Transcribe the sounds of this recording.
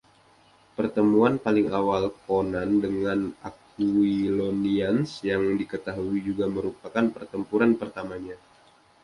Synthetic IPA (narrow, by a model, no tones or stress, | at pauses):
pərt̪əmuanpalɪŋawalkonandəŋanak̚ | uiloniansjaŋdikət̪aɦuid͡ʒuɡaməɾupakanpərt̪əmpuɾanpərt̪amaɲa